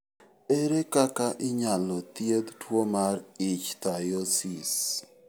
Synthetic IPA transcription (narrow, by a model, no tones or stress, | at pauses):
eɾekakaʔɪɲalɔt̪jed̪twomarɪt͡ʃt̪ajosis